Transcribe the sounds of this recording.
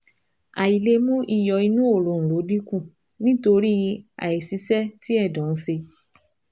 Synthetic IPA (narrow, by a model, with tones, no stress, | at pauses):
a˨i˨le˧mũ˦ʔi˧jɔ˧i˧nũ˦o˦˨lo˨n̩˨lo˨˦dĩ˦kũ˦˨ | nĩ˦to˧ɾi˦a̰˨i˨si˧˦sɛ˦ti˦ɛ˦˨dɔ̃˨n̩˦se˧